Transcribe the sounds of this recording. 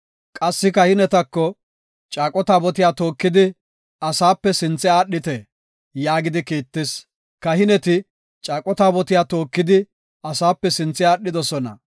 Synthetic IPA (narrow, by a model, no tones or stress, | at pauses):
kʼɐsːɪkɐhɪnɛt̪ɐkːɔ | t͡ʃʼaːkʼɔt̪aːbɔt̪ɪjaːt̪o̞ːkːɪd̪ɪ | ɐsaːpːɛsɪnt͡sːɛaːɗːɪt̪ɛ | jaːɡɪd̪ɪkiːt̪ːɪs | kɐhɪnɛt̪ɪ | t͡ʃʼaːkʼɔt̪aːbɔt̪ɪjaːt̪o̞ːkːɪd̪ɪ | ɐsaːpːɛsɪnt͡sːɪaːɗːɪd̪ɔsɔnɐ̰